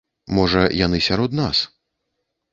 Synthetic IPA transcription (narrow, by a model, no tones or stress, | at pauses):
mɔʐɐjanɨsʲaɾɔd̪na̰s